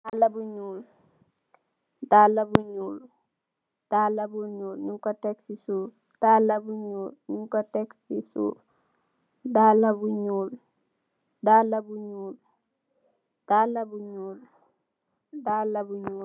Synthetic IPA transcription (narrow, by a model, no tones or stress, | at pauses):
dalabuɲuːl | dalabuɲuːl | d̥alabuɲuːlɲuŋkotɛksisu | d̥alabuɲuːlɲuŋkotɛksisṵ | dalabuɲuːl | dalabuɲuːl | d̥alabuɲuːl | dalabuɲuːl